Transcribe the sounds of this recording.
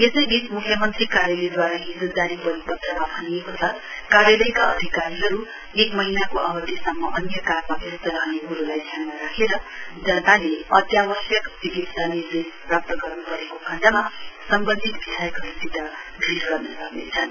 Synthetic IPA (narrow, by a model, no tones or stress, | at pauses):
jesʌjbismukʰjʌmʌnt̪rikaɾjʌled̪waɾaɦid͡zud̪aɾipʌɾibʌd̪ʱrʌmabʱʌniekot͡sʰʌ | kaɾjʌlʌjkaʌ̰d̪ʱikaɾiɦʌɾu | ekmʌɦinakoʔʌbʌt̪isʌmːʌʔʌnjʌkarmabʱjest̪ʌɾʌɦneɦuɾulajd̪ʱjanmaɾakʰeɾʌd͡zʌnt̪aleʌt̪jabʌsjʌkt͡sikit̪sanird̪esprap̚t̪ʌɡʌrnupʌɾekokʰãd͡zamasʌmbʌnd̪ʱit̪̚bʱisʰajkʰʌɾusid̪a | bʱilɡʌrnʌsʌɦnḛt͡sʰʌn